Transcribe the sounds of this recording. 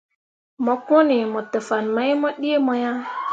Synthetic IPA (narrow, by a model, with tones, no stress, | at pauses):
mɔ˨ko˦ni˨mɔ˨tə˨fa˨nma˦jmɔ˦ɗi˦e˦mɔ˦ja˦